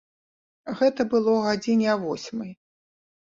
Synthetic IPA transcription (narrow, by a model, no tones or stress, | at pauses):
ɣɛt̪ɐbɨlˠɔɣad͡zʲinʲiavɔsʲmɐj